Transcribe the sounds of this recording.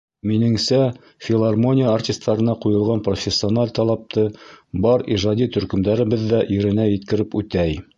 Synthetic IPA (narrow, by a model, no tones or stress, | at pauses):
minɘ̆ŋsæ | fʲɪlˠarmo̞nʲijəːrtʲɪst̪ʰːɑɾɤ̆nɑqujɤ̆lˠʁɑnprofʲesʲːɪonalʲt̪ɑlˠɑp̚t̪ɤbɑɾiʒɑd̪it̪ɵ̆ɾkɵ̆md̪æɾɘ̆βɘðːæʔiɾɘ̆næjɘ̆t̪kɘ̆ɾɘpʉt̪æj